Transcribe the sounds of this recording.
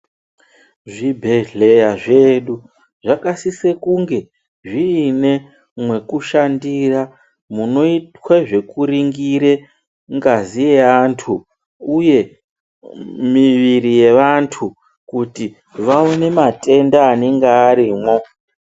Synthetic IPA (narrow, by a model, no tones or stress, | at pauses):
ʐibʱe̞ɮe̞jaʐe̞ɗu | ʐakasise̞kuŋɡe̞ | ʐiːne̞ | mwe̞kuʃandira | muno̞itwaʐe̞kuɾiŋɡiɾe̞ | ŋɡazije̞aːntʰu | uje̞ | miʋiɾije̞ʋantʰu | kuti | ʋaone̞mate̞ndaːneŋɡaːɾiːmwo̞